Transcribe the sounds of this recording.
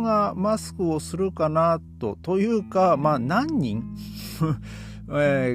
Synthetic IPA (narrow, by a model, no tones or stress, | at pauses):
ɡamasɨ̥kɯ̟o̞sɨɾɯ̟kanat̪o̞̰t̪o̞jɯ̟ːkamaːnãɲ̟ːĩŋ | e